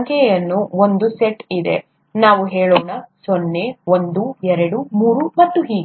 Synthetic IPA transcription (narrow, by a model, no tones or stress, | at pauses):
ŋkʰɛjɐnːuond̪useʈid̪e̞̰ | naːʋuɦeːɭɔːɳɐsonːeond̪uɛɾɐɽumuːɾumɐt̪ːuɦiːɡ